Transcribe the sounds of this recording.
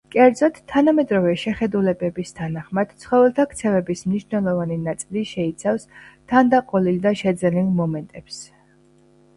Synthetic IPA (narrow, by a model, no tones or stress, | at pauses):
kʼɛɾd̪zɔt̪ʰːanamɛd̪ɾɔvɛʃɛχɛd̪ulɛbɛbist̪ʰanaχmad̪̥t̪sʰχɔvɛlˠt̪ʰakʰt̪sʰɛvɛbismniʃvnɛlˠɔvaninat̪sʼiliʃɛit̪sʰafst̪ʰand̪aqʼɔlild̪aʃɛd̪zɛnilˠmɔmɛnt̪ʼɛps